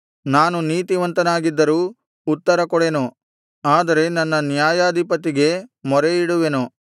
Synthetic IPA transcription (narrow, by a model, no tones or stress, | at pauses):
naːnuniːt̪iʋɐnt̪ɐnaːɡid̪ːɐɾuː | t̪ːɐɾɐkɔɽenu | aːd̪ɐɾe̞nɐnːɐnjaːjaːd̪ʱipɐt̪iɡe̞mɔɾeiɽuʋe̞nu